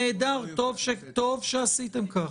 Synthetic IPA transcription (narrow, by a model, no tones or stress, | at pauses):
eːd̪aʁt̪o̞vʃet̪o̞vʃeasit̪emkaχ